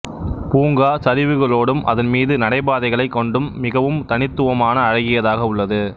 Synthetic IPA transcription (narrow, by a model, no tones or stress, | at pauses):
puːŋɡaːsɐɾɪʋɯɣɐɭoːɽɯmʔɐðɐnmiːðɯnɐɽɐɪbaːðɐɪɣɐɭɐɪkːɔɳɖɯmːɪɣɐʋɯmt̪ɐnɪt̪ːɯʋɐmaːnɐːɻɐɣɪjɐðaːɣɐʊɭːɐðɯ